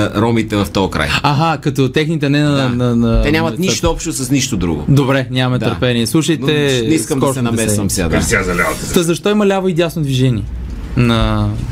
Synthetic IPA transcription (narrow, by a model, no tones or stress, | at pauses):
ɾɔmit̪ɛvɐft̪ɔjkɾa̰jaɦakɐt̪ɔt̪ɛxnit̪ɛnɛnɐnɐnɛnʲamɐt̪niʃt̪oɔpʃt̪osɐsniʃt̪od̪ɾṵɡo̰d̪obɾɛnʲjamɐmɛt̪ɐɾpɛniɛslˠuʃəjt̪ɛnɛiskəmkɔsɛnɐmɛsvɐmsʲa̰d̪a̰sʲazɐlʲavt̪t̪əzɐʃt̪ɔimɐlʲavəid̪jasnod̪viʒɛniɛ | nɐ